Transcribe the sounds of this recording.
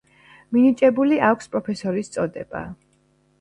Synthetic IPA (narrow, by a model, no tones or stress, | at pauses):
minit͡ʃʼɛbuliʔakʷʰspʼɾɔpʰɛsɔɾist̪sʼɔd̪ɛ̰b̥a̰